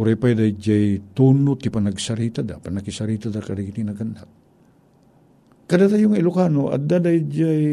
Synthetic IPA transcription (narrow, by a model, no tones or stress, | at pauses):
ʊɾajpajd̪ajd͡ʒajt̪unʊt̪ːɪpanɐɡsaɾit̪ad̪apanakɪsaɾit̪ad̪akaɾiɡit̪inɐɡandak̚ | kad̪at̪ajʊŋaɪlʊkanoʔa̰d̪ad̪ajd͡ʒaj